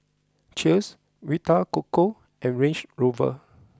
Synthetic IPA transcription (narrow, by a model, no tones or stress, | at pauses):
t͡ʃis | witakoko | ʔɛ̃nɹẽnt͡ʃɹovə̰